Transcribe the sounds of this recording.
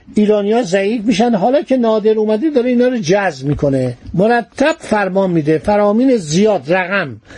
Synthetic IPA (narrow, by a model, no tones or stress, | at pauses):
ʔiːɾɒːnijɒːzæiːfmiːʃænd̪ɦɒːlɒːcʰe̞nɒːd̪eɾuːmæd̪ed̪ɒːɾeiːnɒːɾod͡ʒæzbmiːkʰo̞nemoɾæt̪ʰːæb̥fæɾmɒːnmiːd̪efæɾɒːmiːnezijɒːd̪ræɣæm